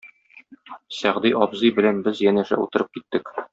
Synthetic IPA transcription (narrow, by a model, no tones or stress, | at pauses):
sæʁd̪iʔɒbzɤjbɘ̆lænbɘzjænæʃæ̰ṵt̪ɤ̆ɾɤp̚kit̪ːɘk